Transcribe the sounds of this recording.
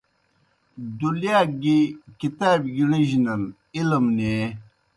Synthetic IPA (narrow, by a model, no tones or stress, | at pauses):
d̪uljaːɡikit̪aːbɡiɳiʑinɐl | ilmneː